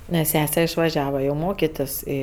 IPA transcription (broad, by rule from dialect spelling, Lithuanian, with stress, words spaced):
nʲɛs ˈsʲæːsʲɛ ɪʃʋɐˈʒʲæːʋɐ jɛʊ ˈmoːkʲɪtʲɪs ˈiː